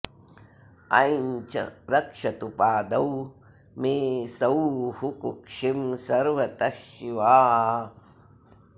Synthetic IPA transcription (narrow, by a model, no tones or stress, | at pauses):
ɐ̰jɲt͡ʃɐ̰ɾɐkʂɐt̪upaːd̪ɐw | meːsɐwhukukʂimsɐɾʋɐt̪ɐʃiʋaː